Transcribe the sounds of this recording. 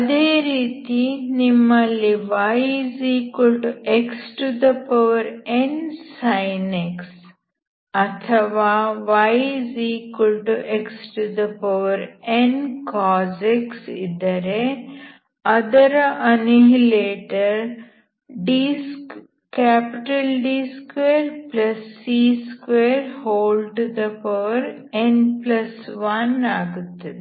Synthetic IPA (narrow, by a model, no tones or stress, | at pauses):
ɐd̪eːɾiːt̪inimːɐlːiʋajzikulʈueksʈud̪ɐpɐʋɐɾensajneks | ɐt̪ʰɐʋaːʋajziːkulʈuʔeksʈud̪ɐpɐʋɐɾenkɔːzeksḭd̪əɾe | ɐd̪əɾʔɐniɦileːʈəɾ | ɖisk | kæpɪʈəlɖiskʋeːɾplɐsːiːskʋeːɾhoːlɖd̪ɐpɐəʋəɾ | enplɐsʋɐnaɡt̪